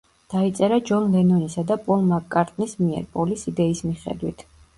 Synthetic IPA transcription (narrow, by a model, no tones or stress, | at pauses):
d̪̥ait̪sʼɛɾad͡ʒɔnlɛnɔnisad̪apʼɔlˠmakʼːaɾt̪ʼnismiɛ̰ɾpʼɔlisid̪ɛismiχɛ̰d̪wit̪ʰ